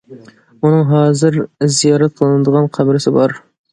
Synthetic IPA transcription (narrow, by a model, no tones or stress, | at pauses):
unɨŋɦɑːzɨɾzijɑːɾɛt̪̚qʰlˠɨnɨd̪əʁɑnqʰæbɾɪsɪbɑɾ